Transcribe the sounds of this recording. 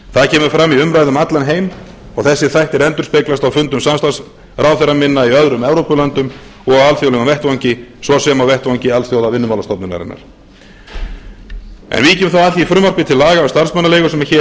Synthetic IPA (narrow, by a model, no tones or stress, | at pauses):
θaðcʰɛːmʏɾfɾamːiʏmɾajðʏmat̪lanɦeːjm | ɔɣθɛsːɪθajht̪ɪɾɛnt̪ʏɾ̥speklast̪awfʏnt̪ʏmsamst̪as | rawθɛɾamɪnːaiœðɾʏmɛvɾowpʏlœnt̪ʏmɔɣaalθjowlɛɣamvɛht̪vawɲcɪsvɔsɛːmawvɛht̪vawɲcɪalθjowðavɪnːʏmaːlast̪ɔpnʏma̰ɾɪ̰na̰ɾ̥ | ɛ̰nviːcɪmθawaθiifɾʏmar̥pɪt̪ʰɪlːaːɣaɛst̪aɾrsmœnːaleːɣʏsɛmɛçɛ